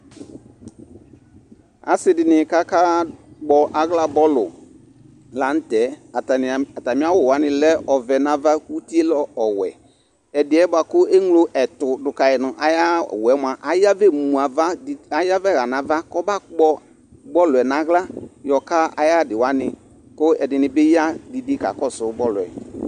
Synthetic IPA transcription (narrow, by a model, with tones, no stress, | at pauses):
a̰˨sɪ˦dɪ˨nɪ˨ka˦kaː˦ɡ͡bɔ˨ʔa˨ɣla˦bɔ˦lʊ̰˨ | la˨˦n̩˦tɛ˨˦˨ | a˨ta˨mɪ̃˦a˦wʊ˦˨wa˨˦nɪ̃˨lɛ˦ʔɔ˨vɛ˨nã˦va˦ku˦ti˦e˦lɔ˦ɔ˨wɛ̰˨ | ɛ˨dɪ˨ɛ˨˦ba˨kʊ˦e˦ŋlo˦ʔɛ˨tʊ˨dʊ˨ka˨ɛ˨nʊ˨ʔa˨ja˦˨wɛ˨˦mʷ˦a˨ʔa˦ja˦vɛ˦mũ˨a˨va˦˨a˦ja˦vɛ˦˨ɣa˨nã˨va˦kɔ˦ba˦˨k͡pɔ˦ | bɔ˦lʊ˨ɛ˨nã˨˦ɣla˦jɔ˨ka˦ʔa̰˨ja˦˨dɪ˨wa˨˦nɪ˨ | kʊ˦ɛ˨dɪ˨nɪ˨bɪ˦ja˦dɪ˨di˦ka̰˨kɔ˦˨sʊ˨bɔ˦lʊ˨ɛ̰˨